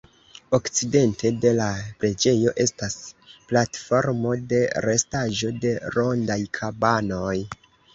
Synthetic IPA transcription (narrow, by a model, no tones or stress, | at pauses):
o̞kt͡side̞ntʰe̞de̞lapɾe̞d͡ʒe̞jo̞ʔe̞stasplatfo̞ɾmo̞de̞ɾe̞staʒo̞de̞ɾo̞ndajkʰabano̞j